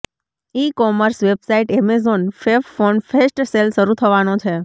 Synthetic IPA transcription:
ikɔməɾsʋebsaiʈemɛzonfeʋfonfesʈselʃəɾut̪ʰəʋanõt͡ʃʰe

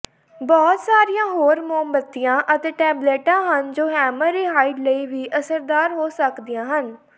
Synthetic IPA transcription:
bɔːt̪saːɾijãːɦoːɾmoːmbət̪ːijãːʔət̪eːʈɛːbleːʈãːɦənd͡ʒoːɦɛːməɾiːɦaːiɖləiːʋiːʔəsəɾd̪aːɾɦoːsəkd̪ijãːɦən

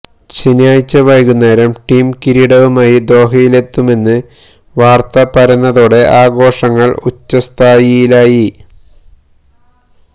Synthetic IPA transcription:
t͡ɕinjaːjt͡ɕːɐʋɐjkunːɐɾɐmʈiːmkiɾiɽɐʋumaːjid̪o̞ːɦɐjile̞t̪ːume̞nːɨ | ʋaːrt̪ɐpɐɾɐnːɐðoːɽe̞ʔaːɡo̞ːʂɐŋːɐɭut͡ɕːɐst̪ʰaːjijilaːji

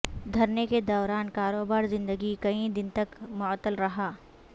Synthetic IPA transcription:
d̪ʱɐɾneked̪ɔːɾaːnkaːɾoːbaːɾzɪ̃nd̪əɡikɐĩd̪ɪnt̪ɐkmʊt̪əlɾɐɦaː

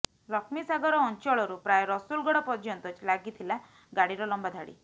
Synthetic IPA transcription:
lɔkʰmisaɡɔɾɔːnt͡ʃɔɭɔɾupɾajɔɾɔsulɡɔɽɔpɔɾd͡ʒɔnt̪ɔt͡ʃlaɡit̪ʰila | ɡaɽiɾɔlɔmbad̪ʱaɽḭ

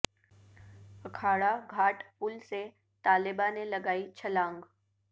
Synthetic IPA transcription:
ɐkʰaːɽaɡʱaːʈpʊlse | t̪aːlɪbanelɐɡaːit͡ʃʰɐlãːŋɡ

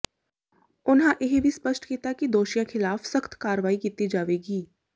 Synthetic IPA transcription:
ʊnɦãʔɪɦbʱispəʃʈkiːt̪akid̪oːʃijãkʰɪlaːfsəxt̪kaːɾʋaːikiːt̪id͡ʒaːʋeːɡiː

